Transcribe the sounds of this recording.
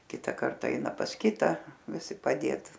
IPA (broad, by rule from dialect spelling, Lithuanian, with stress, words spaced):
ˈkʲɪtɐ ˈkɐrtɐ ˈɛɪnɐ pɐs ˈkʲɪtɐ ʋʲɪˈsʲɪ pɐˈdʲeːt